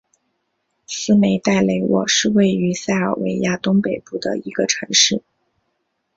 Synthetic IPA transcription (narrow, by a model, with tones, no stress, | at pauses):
sɹ̩˥ne˧˥ɪt̪a˥˩ɪle˧˥ɪwɔ̰˨˩ʂɻ̩˥˧we˥˩ɪy˧˥sa˥˩ɪə̰˞˨˩wḛ˧˥ɪja˥t̪ʊ˥ŋpe˨˩ɪpu˥˩d̪ə̰˩i˧˥ɡ̥ə˧ʈ͡ʂʰɤ˧˥ŋʂɻ̩˥˩